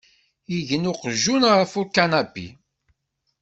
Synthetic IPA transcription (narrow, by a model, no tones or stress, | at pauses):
iʝənʊqəʒːunʁəfuɾkːanæbḭ